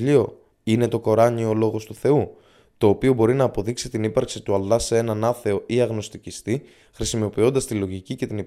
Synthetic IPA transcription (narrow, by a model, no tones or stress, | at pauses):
ʎio̞ | ine̞t̪o̞ko̞ɾɐɲio̞lo̞ɣo̞st̪uθe̞u | t̪o̞ːpio̞bo̞ɾinɐːpo̞ðiksit̪inipɐɾksit̪uɐlːɐsee̞nɐnɐθe̞o̞ʔiɐɣno̞st̪icist̪i | xɾisimo̞pio̞nd̪ɐst̪ilo̞ʝicice̞t̪ini